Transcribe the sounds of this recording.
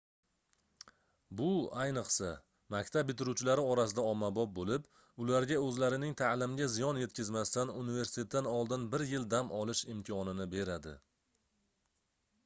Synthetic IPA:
bʊajnɨqsa | makʲt̪ʰab̚bɪt̪ʰɪɾuwt͡ʃʰɪlaɾɪɒɾasɪd̪aɒmːabɒp̚bolɪp | ʊlaɾɡʲaɵzlaɾɪnɪŋt̪ʰalɪmɡʲazijɒnje̞t̪̚kʲɪzmast̪anunive̞ɾsɪ̥t̪ʰe̞t̪ːanɒlˠd̪ɪnbɪɾjɪld̪amʔɒlɪʃɪmt̪ʲʰɪɒnɪnɪbe̞ɾad̪ɪ̰

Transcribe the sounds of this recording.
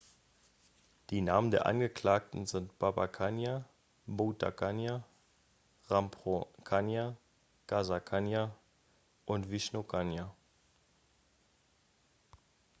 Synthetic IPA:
d̥iːnaːməndeːɐʔa̰nɡəkl̥aːk̚tn̩zɪntb̥abakʰanja | bota̰kʰanja | ʁampʁokʰanja | ɡ̥azakʰanja | ʔʊntv̥ɪʃnokʰanja

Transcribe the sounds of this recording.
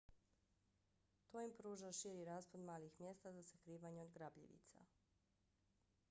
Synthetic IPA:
t̪ojimpɾuːʒaʃiːɾiɾaːspad̪maːlixmje̞st̪azasakɾiːʋaɲeod̪ɡɾabʎḭʋḭt̪sa̰

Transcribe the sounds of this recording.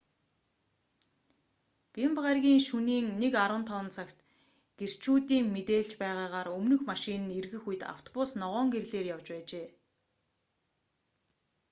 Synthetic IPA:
pimpʁarɣʲiːŋʃuniːŋnekaɾwə̆nt̪ʰɔːnt͡sʰakt̪ | ɡ̥er̥t͡ɕʰuːt̪iːŋmet̪eːɮt͡ɕpæːʁaːʁaːɾɵmnɵ̆xmaʃinɘ̆nerɣɘ̆xuj̆t̪a̰w̥t̪ʰɔ̥pʊsnɔʁɔːŋɡerɮeːrjawt͡ɕpæːt͡ɕeː

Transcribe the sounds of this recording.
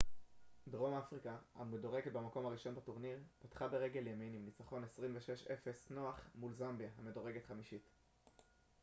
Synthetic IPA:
dʁo̞mafʁikaha̰medo̞ʁe̞ɡet̪̚bemako̞maʁiʃo̞nbatoʁniʁpatχabe̞ʁeɡeljeminimnit͡saχo̞nesʁimveʃeʃefe̞sno̞aχmulzambjaɦame̞do̞ʁe̞ɡe̞tχamiʃit

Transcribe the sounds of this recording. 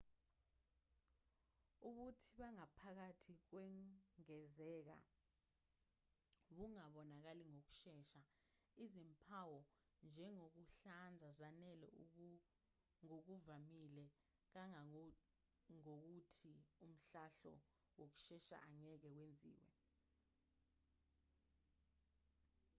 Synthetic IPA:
uɓutʰiɓaŋapʰak̬atʰik̬wɛŋɛzɛːk̬a̰ | ɓuŋaɓɔnak̬aliŋok̬u̥ʃɛːʃa | izimpʰawɔ | nd͡ʒʱɛŋok̬uɬand͡zʱazanɛlɛ̰ | ŋok̬uvamilɛ | k̬aŋa | ŋok̬utʰium̩ɬaɬɔ̰ | wok̬u̥ʃɛʃa̰ʔaɲɛk̬ɛkwend͡zʱḭːwɛ̰

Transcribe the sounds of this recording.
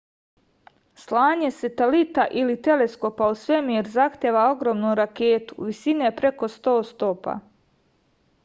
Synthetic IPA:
slaːɲe̞set̪elit̪aʔilit̪e̞le̞sko̞pausʋe̞mujeɾzaxt̪jeːʋao̞ɡɾo̞ːmnuɾakeːt̪u̥ʋisinepɾe̞ko̞st̪o̞ːst̪o̞pa̰

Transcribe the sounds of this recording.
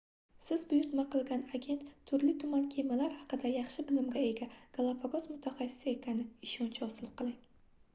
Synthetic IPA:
sɪzbʊjʊɾt̪maqʰɨlˠɡʲanaɡʲe̞nt̪ʰːʊɾlɪt̪ʰʊmankʲʰejmalaɾhɑqɨd̪ajɑχʃɪbɪlɪmɡʲae̞ɡʲaɡ̥alˠapʰaɡɒzmʊt̪ʰaχɑsɪ̥sɪe̞kʲʰanɪɪʃɒnt͡ʃʰaɒsɪlɪp̚qʰɨlˠɪŋ

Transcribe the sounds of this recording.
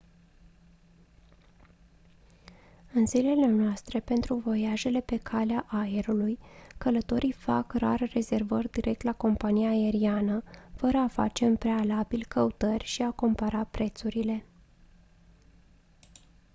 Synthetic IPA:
ɨnzile̞le̞noast̪ɾe̞pe̞nt̪ɾuvo̞jaʒe̞le̞pe̞kʰaleaʔae̞ɾulujkələt̪o̞ɾijfa̰kra̰rre̞ze̞rvərʲd̪iɾʔe̞k̚t̪lako̞mpanijaːe̞ɾianəfəɾəafa̰t͡ʃe̞ɨmpɾe̞alabilʲkʰəut̪ərʲʃiako̞mpaɾapɾe̞t̪suɾile̞

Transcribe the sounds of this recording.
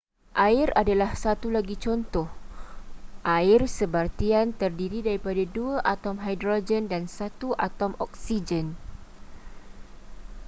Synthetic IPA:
ʔaɪradalahsat̪ulaɡit͡ʃɔnt̪ɔh | ʔaɪrsəbart̪iant̪ərdiɾidaɾipadaduaʔat̪ɔmɦajdɾod͡ʒəndansat̪uʔat̪ɔmɔk̚sid͡ʒən

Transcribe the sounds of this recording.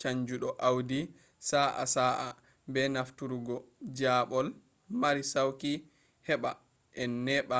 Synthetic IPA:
t͡ʃaɲd͡ʒuɗɔʔawdi | saːʔa̰saʔa | bɛnaftuɾuɡɔd͡ʒaːɓɔl | maɾisawki | hɛɓa | ʔɛnːɛɓa

